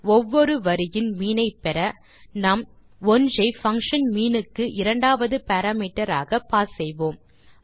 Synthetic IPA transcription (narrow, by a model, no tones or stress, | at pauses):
ɔʋːɔɾɯʋɐɾɪjɪnmiːnɐɪpɛɾɐ | nɐm | ɔnd͡ʒɐɪfɐŋkʂɐnmiːnɯkːɯʔɪɾɐɳɖaːʋɐðɯpɐɾaːmiːʈːɐɾa̰ːɣɐpːaːsɛjʋoːm